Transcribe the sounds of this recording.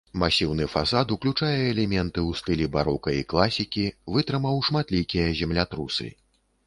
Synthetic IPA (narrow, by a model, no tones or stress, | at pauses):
masʲiwnɨfasat̪uklʲut͡ʂajɛːlʲɛmʲɛnt̪ɨwst̪ɨlʲibaɾɔkɐiklˠasʲikʲivɨt̪ɾɨmɐwʂmat̪lʲikʲijɐzʲɛmlʲat̪ɾusɨ̰